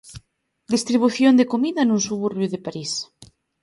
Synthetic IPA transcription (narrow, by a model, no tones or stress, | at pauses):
d̪ist̪ɾiβuθjond̪ekomiðanũnsuβuɾβjuðepaɾis